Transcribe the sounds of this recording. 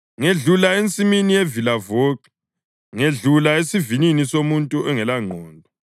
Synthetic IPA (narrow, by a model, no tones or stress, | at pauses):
ŋeɮulaent͡sʼiminijevilavoːkɛ | ŋeɮulaesivininisomuntʼuɛŋɛlaŋ͡ǃʱɔːndʱɔ